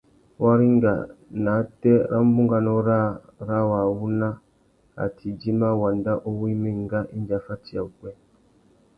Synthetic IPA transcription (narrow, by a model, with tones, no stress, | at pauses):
wa˦ɾi˦ŋɡa̰˨na˨˦tɛ˦ɾʔa˦m˦bu˦ŋɡa˨nɔ˦ɾa˦ | ɾa˦wa˨wu˦na˦ | a̰˨tʰi˨d͡ʒi˦ma˦wa˨nda˦ʔo˦wi˦mi˦˨ŋɡa˦ʔi˦n˦d͡ʒa˨˦fa˦ti˦a˨u˨ɡɛ˦